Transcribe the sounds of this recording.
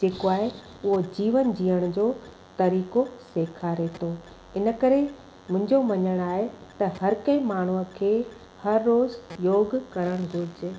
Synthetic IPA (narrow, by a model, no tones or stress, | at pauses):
d͡ʑeːkoaːɦe | ʊɦod͡ʑiːʋənd͡ʑiːəɽ̃ʊd͡ʑoː | t̪ɐɾiːkoseːkʰaɾet̪ʰoː | ɪnə̆kɐɾe | mʊ̃ɦɪ̃ɲ̆d͡ʑomɐɲəɽ̃aːɦet̪ɐhɐɾkɐ̃ĩmaːɳ̤uə̆kʰeː | hɐɾːoːzjoːɡkɐɾəɽ̃ɡʊɾd͡ʑeː